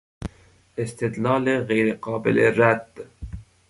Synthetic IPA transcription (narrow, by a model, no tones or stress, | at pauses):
ɪst̪ɪd̪lɑːleɣejɾeqɑːbɪ̰leɾad̪̥